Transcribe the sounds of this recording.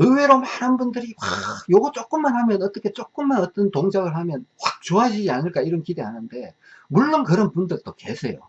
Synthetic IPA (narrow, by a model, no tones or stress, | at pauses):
ɯwe̞ɾomanhanbundɯɾiwajoɡʌt͡ɕ͈ok͈ɯmːanhamjʌnʌt͈ʌkʰe̞t͡ɕ͈ok͈ɯmːanʌt͈ʌntoŋd͡ʑaɡɯɭhamjʌnɸwak̚t͡ɕoɦad͡ʑid͡ʑianɯɭk͈aiɾʌnkide̞ɦanɯnde̞ | muɭːonkɯɾʌnpundɯɭt͈oke̞sʰe̞jo̰